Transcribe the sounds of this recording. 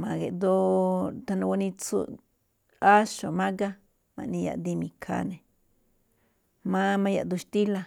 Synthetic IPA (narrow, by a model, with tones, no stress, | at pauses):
ma˧ɡe˨d̪o˦˧t̪a˧na˧wa˧ni˧t͡sṵ˧ | a˦ʃo˨ma˦ɡa˦ | ma̰˨ni˧ja̰˧ʔd̪i˧mi˧kʰa̰˧ne˨ | ma˦ma˧ja˨d̪u˧ʃt̪i˦la˧